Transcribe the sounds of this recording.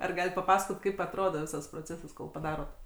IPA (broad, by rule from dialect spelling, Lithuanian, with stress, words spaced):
ɐr ˈɡɑːlʲɪt pɐˈpɑːsɐkoːt kɐɪp ɐtˈroːdoː ˈʋʲɪsɐs proːˈt͡sʲæːsɐs koːlˠ pɐˈdɑːroːt